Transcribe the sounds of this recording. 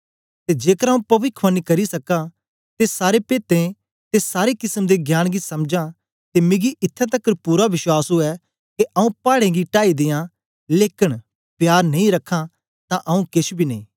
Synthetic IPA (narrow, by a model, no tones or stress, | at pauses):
t̪ed͡ʒeːkəɾaũpɐʋɪkʰʋanikɐɾisɐka | t̪esaːɾepeːt̪ẽ | t̪esaːɾekɪsəmd̪eɡʱjaːɽ̃ɡisɐmd͡ʒã | t̪emɪ̃ɡiʔɪt̪ʰːat̪̬ɐkːəɾpuːɾaʋɪʃwaːsɦoɛ | keʔɐũpaːɽẽɡiʈaːid̪eːã | leːkɪɽ | pjaːɾnɐĩɾɐkʰːã | t̪ãʔɐũkɪsbʱinɐĩː